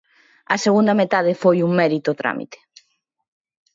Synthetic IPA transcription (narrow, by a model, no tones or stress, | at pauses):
ɐseɣund̪ɐmet̪aðefojuŋmɛɾit̪ot̪ɾa̰mḭt̪e̥